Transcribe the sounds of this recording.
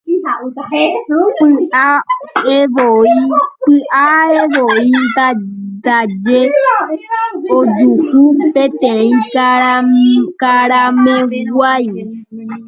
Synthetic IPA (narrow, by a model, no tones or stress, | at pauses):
pɨaeβoipɨʔaeʋoind̪at̪ad͡ʒe | od͡ʒukũpẽt̪ẽĩkaɾakaɾamẽɡʷai